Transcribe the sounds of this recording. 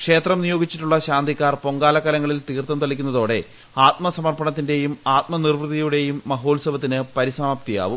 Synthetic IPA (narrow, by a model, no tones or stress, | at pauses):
kʂe̞ːt̪rɐmnijo̞ːɡit͡ɕːiʈːuɭːɐɕaːnd̪ʱikʲːaːrpo̞ŋɡaːlɐkːɐlɐŋːɐɭilt̪iːirt̪ːɐmt̪ɐɭikʲːunːɐðo̞ːɽe̞ | aːt̪̚mɐsɐmɐrpɐɳɐt̪̬ːinde̞jumaːt̪̚mɐnirʋrɨðijuɽe̞jumːɐɦo̞ːlsɐbɐt̪ːinɨpɐɾisɐmaːpt̪ija̰ːʋum